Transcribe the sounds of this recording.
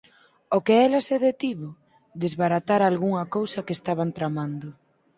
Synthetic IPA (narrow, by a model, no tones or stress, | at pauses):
okeɛlɐseðet̪iβʊ | d̪ezβaɾat̪aɾalɣuŋɐkowsɐkeːst̪aβ̞ant̪ɾamand̪ʊ